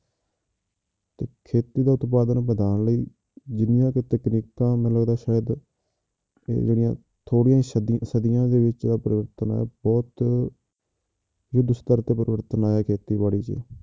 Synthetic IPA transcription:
t̪eːkʰeːt̪iːd̪aːʊt̪paːd̪ənbəd̪aːɳləiː | d͡ʒɪnɪjãːket̪ɛkniːk̚t̪ãːmɛ̃ːləɡd̪aːʃaːjəd̪ | d͡ʒɪɽɪjã̰ː | t̪ʰoːɽijãːisəd̪ɪjãːd̪eːʋɪt͡ʃd̪aːpəɾɪʋəɾt̪əna̰ːɛ̰ːbɔːt̪ | jʊd̪sə̥t̪əɾt̪eːpəɾɪʋəɾt̪ənaːɛːkʰeːt̪iːbaːɽiːt͡ʃḛː

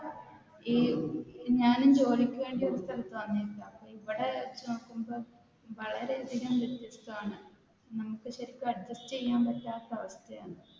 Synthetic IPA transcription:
i | ɲaːnumd͡ʑo̞ːd̪ikʲːuʋe̞ːɳɖioɾɐst̪ʰɐlɐt̪ːʋɐnːilːaɐpːoːiʋiɽet͡ɕːnokːumboː | ʋɐɭɐɾe̞ɐd̪ʱiɣɐmʋjet̪jɐst̪uaːɳɨ | nɐmukːɨɕɐɾikʲːuɐɖ̚d͡ʑɐstɨejːaːmpɐtːaːt̪ːɐɐʋɐst̪ʰɐjaːɳɨ

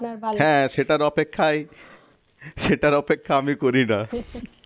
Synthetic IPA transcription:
ɦɛ̃ːʃeʈaɾɔpekʰːaj | ʃeʈaɾɔpekʰːaamikoɾina

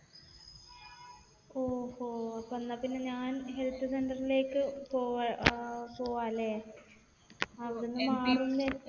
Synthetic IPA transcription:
oːhoːɐpːɐnːɐpːinːeɲaːnɦelt̪ːɨsendɐrile̞ːkːɨpoː | po̞ːʋaːlːeː | ɐʋɐɽenːumaːrunːe

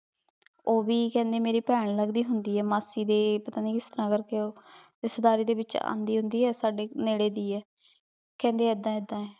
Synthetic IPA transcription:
oːʋiːkɛ̃ːnd̪eːmeːɾiːpɛːɳləɡd̪iːɦʊnd̪iːɛːmaːsiːd̪eːpət̪aːniːkɪst̪əɾãːkəɾkeoː | ɪsəd̪aːɾiːd̪eːbɪt͡ʃa̰ːnd̪iːɦʊnd̪iːɛːsaːɖeːneːɽeːd̪iːɛː | kɛ̃ːnd̪eːɛd̪ːãːɪd̪ːãːɛː

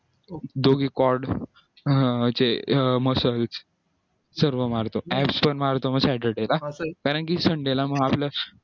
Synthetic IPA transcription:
d̪oɡiːkɔɾɖ | t͡seməsəlt͡s | səɾʋəmaɾt̪oæpspənmaɾt̪oməɡsɛʈəɖelakaɾəɳkisəɳɖelaməɡaplja

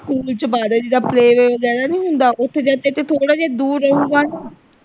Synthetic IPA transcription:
skuːlt͡ʃəbaːd̪aːd͡ʒiːd̪aːpleːʋeːozaːd̪aːnĩːɦʊnd̪aːʔʊt̪ʰːed͡ʒaːt̪eːt̪eːt̪ʰoːɽaːd͡ʒaːd̪uːɾːəɦũːɡaːnuː

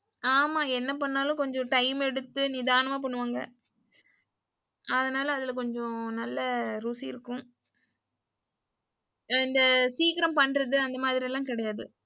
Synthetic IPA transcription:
aːmaːɛnːɐpɐɳːaːlʊ̃kɔɲd͡ʒɔ̃ʈɐɪmɛɽɯt̪ːɯnɪðaːnɐmaːp̬ɐɳːɯʋaːŋɡɐ̰ | ʔɐðɐnaːlɐːðɪlɐk̬ɔɲd͡ʒɔ̃nɐlːɐɾuːsiɪɾɯkːʊ̃ | ɪnd̪ɐsiːkɪɾɐmpɐɳːɾɐðɯɐnd̪ɐmaːðɪɾɪjɛlːãːkɪɽɐjaːðɯ

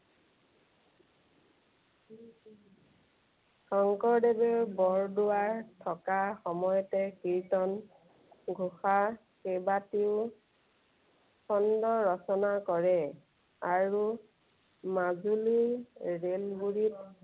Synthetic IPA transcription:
sʰɔŋkɔɹdebeɹbɔɹdʊwaɹtʰɔkaxɔmɔjɔtɛkiɹtɔn | ɡʱuxa | kebatiʊ | sɔndɔɹɔsɔnakɔɹɛ | aɹu | mazuliɹelɡuɹit

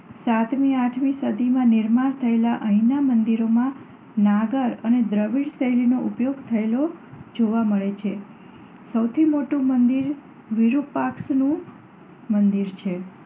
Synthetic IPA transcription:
sat̪miaʈʰmisəd̪ʱimãnɪɾmaɾt̪ʰəelaʔəɦĩnamənd̪iɾomã | naɡəɾəned̪ɾəʋiɽsəjlinoʔupjoɡt̪ʰəelod͡ʒoʋaməɭet͡ʃʰe | səwt̪ʰimoʈũmənd̪iɾ | ʋiɾupaksnũ | mənd̪iɾt͡ʃʰe

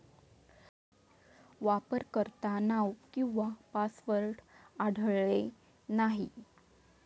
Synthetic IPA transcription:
ʋapəɾkəɾt̪anawkĩw̃ʋapasʋəɾʈaɽ̤ʱɭɭe | naɦḭ

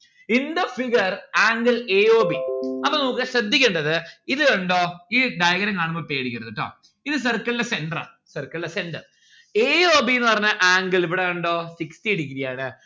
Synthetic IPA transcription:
ind̪ɐfiɡɐraːŋɡɐleːoːbiɐpːonuːkːɨɕrɐd̪ʱːikʲːeɳɖɐðɨiðɨoɳɖoːiːd̪aːjɐɣɐɾɐŋkaːɳumbopeːɽikʲːɐɾɨt̪ːɐʈːo̰ː | iðɨs̬ɐrkːɐɭlːesenɖɐrɐ̰ | sɐrkːɐɭlesenɖɐr | eːoːbijenːɨpɐrɐɲːɐʔaːŋɡɐɭiʋiɽeoɳɖo̞ːsikstieɽik̬ʲːiɾijaːɳɨ

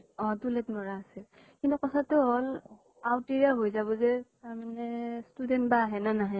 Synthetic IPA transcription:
ɔdulɛtnɔɹaːsɛ | kintukɔtʰatʊɦɔl | awtiɹiaɦojzaβɔzɛtaɹmanɛstudɛntbaːɦɛnanaɦãj

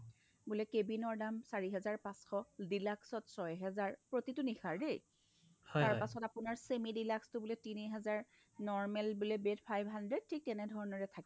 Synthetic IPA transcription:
bulɛkebinɔɹdamsaɹiɦɛzaɹpãsxɔdilaksɔtsɔjɦɛzaɹpɹotitʊnixʰaɹdej | haɹpasɔtapʊnaɹsemidilakstʊbulɛtiniɦɛzaɹ | nɔɹmɛlbulebetpʰajbʱɦandɹɛd̚tʰik̚tɛnɛdʱɔɹɔnɔɹɛtʰak

